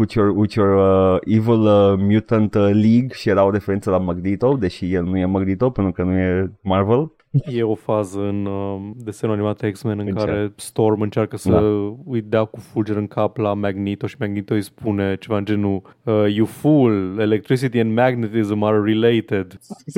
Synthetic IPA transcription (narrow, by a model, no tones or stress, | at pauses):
ut͡ʃorut͡ʃorəivələmjut̪ənt̪liɡʃijeɾaoɾefeɾent̪səlamaɡnit̪o̞d̪e̞ʃijelnujemaɡnit̪opənt̪ɾukənuje̞marvel | jeofazəɨnəd̪esenuanimat̪eksmenɨ̃ŋkaaɾɾest̪ormɨnt͡ʃarkəsdəaujd̪eakufud͡ʒeɾɨŋkʰaplamaɡnit̪oʃimaɡnit̪oispunet͡ʃevaɨnd͡ʒenuəjufulelek̚t̪ɾis̬it̪iɛ̃nd̪mæɡnet̪izəmarːilejt̪ed̪